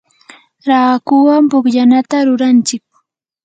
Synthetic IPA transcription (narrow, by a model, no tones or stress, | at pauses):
ɾaːkʊwampʊbʎanat̪aɾʊɾant͡ʃɪk̚